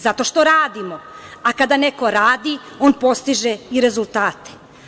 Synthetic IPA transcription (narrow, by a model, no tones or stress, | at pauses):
zat̪o̞ʃt̪o̞ɾaːd̪imo̞akad̪ane̞ko̞ɾaːd̪io̞ːnpo̞st̪iʒeiɾe̞zulˠt̪aːt̪e̥